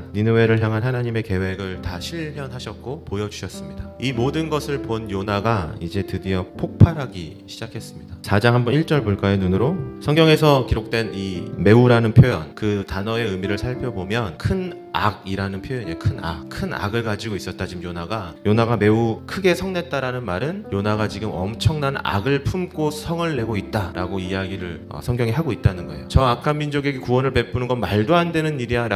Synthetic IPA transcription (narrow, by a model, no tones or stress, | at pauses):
ninɯwe̞ɾɯɭçjaŋɦanɦanaɲime̞ke̞we̞ɡɯɭtaɕʰiɭmjʌnɦaɕʰʌt̚k͈opojʌd͡ʑuɕʰʌs͈ɯmɲidaimodɯnɡʌsʰɯɭponjonaɡaid͡ʑe̞tɯdiʌpʰok̚pʰaɾɦaɡḭ | ɕʰid͡ʑakʰe̞s͈ɯmɲid̥at͡ɕad͡ʑaŋɦambʌniɭt͡ɕ͈ʌɭboɭk͈ajenunɯɾosʰʌŋɡjʌŋe̞sʰʌkiɾok̚t͈we̞nime̞uɾanɯnpʰjojʌ̰nkɯtanʌe̞ɯmiɾɯɭsʰaɭpʰjʌbomjʌnkʰɯn | a̰ɡiɾanɯnpʰjojʌɲikʰɯna̰kʰɯna̰ɡɯɭkad͡ʑiɡois͈ʌt̚t͈at͡ɕimjonaɡajonaɡame̞ukʰɯɡe̞sʰʌŋne̞t̚t͈aɾanɯnmaɾɯnjonaɡat͡ɕiɡɯmʌ̰mt͡ɕʰʌŋnana̰ɡɯɭpʰumk͈ʰosʰʌŋɯɭːe̞ɡoit̚t͈aɾa̰ɡoijaɡiɾɯɭ | ʌ̰sʰʌŋɡjʌŋiɦaɡoit̚t͈anɯnɡʌe̞̰jot͡ɕʌakʰamːind͡ʑoɡe̞ɡe̞kuwʌnɯɭpe̞p͈ʰunɯnɡʌnmaɭdoandwe̞nɯniɾiaɾ